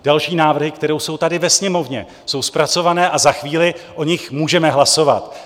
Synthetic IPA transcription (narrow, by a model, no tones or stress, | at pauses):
d̥alʃiːnaːvr̩ɦɪkt̪ɛɾowso̞wt̪adɪvɛsɲɛmo̞vɲɛ | so̞wspɾat͡so̞vanɛːʔazaxviːlɪʔo̞ɲɪxmuːʒɛmɛɦlaso̞va̰t̪